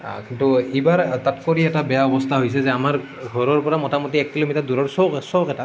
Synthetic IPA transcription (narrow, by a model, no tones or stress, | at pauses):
kintuibaɹtatkoɹiɛtabɛjaɔbɔstʰaɦojsɛzɛamaɹ | ɡʱɔɹɔɹpɔɹamɔtamɔtiɛkːilomitaduɹɔɹsɔwksɔwkɛta